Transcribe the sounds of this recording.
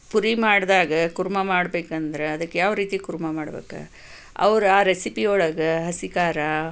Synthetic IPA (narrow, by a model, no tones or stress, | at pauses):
puɾimaːɽd̪aːɡɐɡuɾumɐmaːɽbe̞ːkɐnd̪ɐɾeɐd̪ɐkːejaːʋɾiːt̪ikuɾumɐmaːɽɐbḛːkɐ̰ | ɐ̰ʋɐɾuaːɾesipioɭɐɡɐɦɐsikaːɾɐ